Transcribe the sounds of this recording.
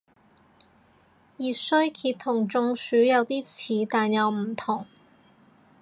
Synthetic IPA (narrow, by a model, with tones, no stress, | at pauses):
jiː˨˩sɵ˥ɥkʰiː˧t̪ʰːʊ˨˩ŋt͡sʊ˧ŋsyː˨˥jɐ˨˧wt̪iː˥t͡sʰiː˨˧˥t̪aː˨njɐ˨˧wm̩˨˩t̪ʰʊ˨˩ŋ